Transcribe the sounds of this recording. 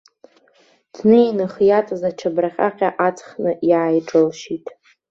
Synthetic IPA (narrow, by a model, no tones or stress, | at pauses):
d̥nejnɨχjat͡sʼazat͡ʃʰabraχʲʼa̰qʲʼaʔat͡sʰʼχnɨjaːjʈ͡ʂʼɨlʃitʼ